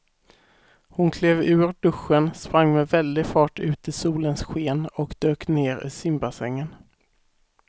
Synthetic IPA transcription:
hʊnkʰleːvʉ̟ːɾɖɵɧːənspɾaŋːmɛvɛld̪ɪfɑːʈʉ̟ːt̪ɪsuːlənsɧeːnɔkd̪̥øːkneːɾḭːsɪmbasɛŋːən

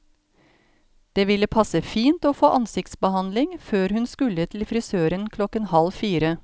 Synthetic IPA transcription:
d̪̥eːʋɪləpʰɑsəfiːnt̪oːfoːʔɑnsɪkt̪sbəhɑnlɪŋføːɾhʉnskʉlət̪ʰɪl̩fɾɪsøːɾənkʰlɔkənhɑlfiːɾə

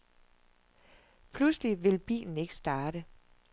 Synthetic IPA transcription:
pʰlusliʋe̝lb̥ḭːln̩e̝ɡ̥ə̥sd̥ɑ̈ːɾ̥ə

